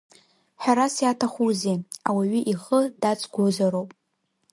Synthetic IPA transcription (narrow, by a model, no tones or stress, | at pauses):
ħʷᶣaɾasjatʰaχʷuzeawaɥiʔiχədat͡sʷʰʼɡʷozaɾowpʼ